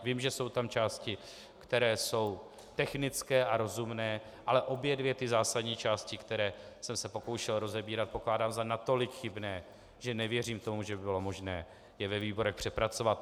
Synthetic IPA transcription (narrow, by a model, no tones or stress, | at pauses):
viːmʒɛso̞wt̪amt͡ʃaːscɪ | kt̪ɛɾɛːso̞w | t̪ɛxnɪt͡skɛːʔaɾo̞zumnɛː | ʔalɛʔo̞bjɛdvjɛt̪ɪzaːsadɲiːt͡ʃaːscɪkt̪ɛɾɛːsɛmsɛpo̞ko̞wʃɛlɾo̞zɛbiːɾat̪̚po̞klaːdaːmzanat̪o̞lɪkxɪbnɛː | ʒ̥ɛnɛvjɛriːmt̪o̞muʒɛbɪbɪlo̞mo̞ʒnɛː | jɛvɛviːbo̞ɾɛxpr̥ɛpɾat͡so̞vat̪̚